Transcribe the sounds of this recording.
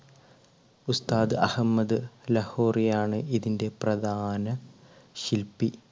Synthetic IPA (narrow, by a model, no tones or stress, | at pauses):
ust̪aːðɨʔɐhɐmːɐd̪ɨlɐho̞ːrijaːɳɨʔiðinde̞prɐd̪ʱaːnɐ | ɕilpi